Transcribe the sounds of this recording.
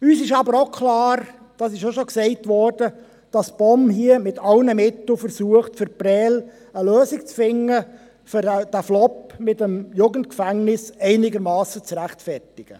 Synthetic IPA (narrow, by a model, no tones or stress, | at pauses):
yːsɪʃɑbəɾoʊkʰχlɑːɾ | d̥ɑsɪʃoʃoksɛɪtʋɔrd̥ə | d̥ɑsb̥ɔmhiəmɪtʰɑlnəmɪtl̩fəɾsuəχtfəɾpɾɛːl | əløːsɪkt͡sfɪŋːə | føɾd̥æflɔpmɪtəmjuɡəntkfæŋnɪsɛɪnɪɡəɾmɑːsət͡sɾæχtfɛrtɪɡ̥ə